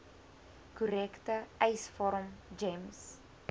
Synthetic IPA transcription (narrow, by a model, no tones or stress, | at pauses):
kuɾɛktəɛjsfɔɾəmd͡ʒems